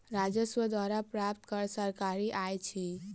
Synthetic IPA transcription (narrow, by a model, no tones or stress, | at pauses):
ɾad͡ʒəswəd̪waɾapɾapt̪kəɾsəɾkaɾiʔajt͡ʃʰi